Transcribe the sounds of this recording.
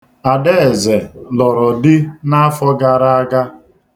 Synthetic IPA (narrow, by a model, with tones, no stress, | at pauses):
a˨de˦˨ze˨lɔ˨ɾɔ˨dɪ˦na˦fɔ˦ɡa˨ɾa˦a˦ɡa˦